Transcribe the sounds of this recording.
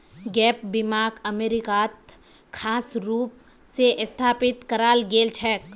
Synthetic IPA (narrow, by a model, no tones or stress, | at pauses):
ɡɛːpbɪmaːɡəmeːɾɪkaːt̪ | kʰaːsɾuːp̚ | seʔɪst̪ʰaːpɪt̪kɐɾaːlɡeːlt͡ʃʰɛːk